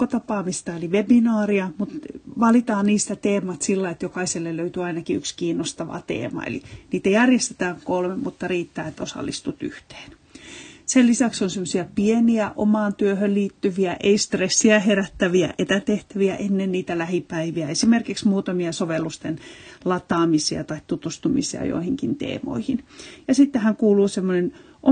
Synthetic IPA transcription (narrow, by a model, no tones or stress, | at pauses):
ot̪ɑpɑːmist̪ɑeliʋebinɑːriɑmut̪ʋɑlit̪ɑːnniːst̪æt̪eːmɑt̪silːɑiet̪jokɑiselːelløyt̪yɑinɑkiykskiːnːost̪ɑʋɑ̰t̪ḛːmɑ̰ḛlḭniːt̪æjærjest̪e̥t̪æːŋkolmemmut̪ːɑriːt̪ːæːet̪osɑ̰lːist̪ut̪yht̪e̥ːn | sellisæksonsemːosiæpieniæʔo̰mɑːnt̪yøhølliːt̪ːyʋiæʔeist̪resːiæheræt̪ːæʋiæ̰ʔet̪æt̪eht̪æʋiæʔenːenniːt̪ælæhipæiʋiæesimerkiksmuːt̪ɑmiɑsoʋelːust̪enlɑt̪ɑːmisiɑ̰t̪ɑitt̪ut̪ust̪umisḭɑ̰jo̰ihiŋkint̪ḛːmo̰ihinjɑsit̪ːehæŋkuːluːsemːonen | ʔo